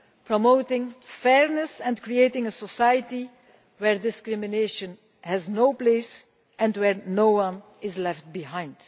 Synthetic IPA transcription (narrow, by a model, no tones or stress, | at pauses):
pɹɔmoʊtɪ̃ŋfɛɹnəsɛ̃nkɹieɪtɪ̃ŋəsɔsajəti | wɛɹdɪskɹɪmɪneʃə̃n | hɛznoʊpleɪs | ɛ̃ntwɛɹnoʊwʌ̃n | ɪzlɛft̚biɦãɪ̃nd̥